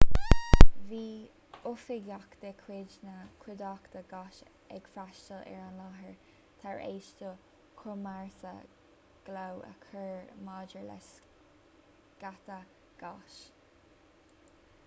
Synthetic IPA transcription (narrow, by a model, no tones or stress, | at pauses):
viː | ʊfɪɡjakt̪əkʰwɪd͡ʒnəkʰɪd̪ɑkt̪əɡɑʃ | ɛɡ̥fɾaʃtəlɛ̰ɹanlɑɦəɹ | t̪ʰaɹḛːʃtə | kʰɔmaɹsə̰ | ɡ̥lawə̰kʰəɹmɑːd͡ʒəɹlɛ̰s | ɡ̥at̪ə | ɡ̥ɑʃ